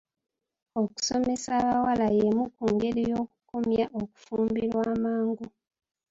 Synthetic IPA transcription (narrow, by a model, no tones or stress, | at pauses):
o̞ku̥some̞saːβawalajemukuːŋɡe̞ɾijo̞ːkukomjaʔoku̥fuːmbiɾwaːmaːŋɡu